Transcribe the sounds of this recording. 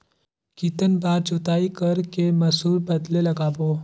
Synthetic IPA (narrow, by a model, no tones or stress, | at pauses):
kit̪ənbaːɾd͡ʒʊt̪aːikɐɾkemɐsuːɾbɐd̪lelɐɡaːboː